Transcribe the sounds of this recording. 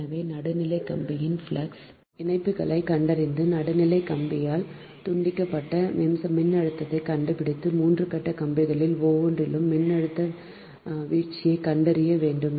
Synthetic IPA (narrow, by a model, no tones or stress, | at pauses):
ɐʋeːnɐɽɯnɪlɐɪkːɐmbɪjɪnfɭɐks | ɪnɐɪpːɯɣɐɭɐɪkɐɳɖɐɾɪnd̪ɯnɐɽɯnɪlɐɪkːɐmbɪjaːl | t̪ʊɳɖɪkːɐpːɐʈːɐmɪmsɐmːɪnːɐɽɯt̪ːɐðɐɪkɐɳɖɯpɪɽɪt̪ːɯmuːndrɯkɐʈːɐkɐmbɪɣɐɭɪlʋoːʋndrɪlɯmːɪnːɐɽɯt̪ːɐ | ʋiːʈt͡ʃːɪjɐɪkɐɳɖɐɾɪjɐʋeːɳɖɯm